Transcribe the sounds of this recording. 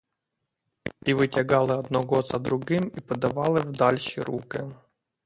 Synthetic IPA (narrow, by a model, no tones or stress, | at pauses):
iʋɪtʲɐɣɑlˠɪɔd̪nɔɣɔzɐd̪ɾʊɣɪmipɔd̪ɐʋɑlˠɪwd̪ɑlʲʃiɾukɪ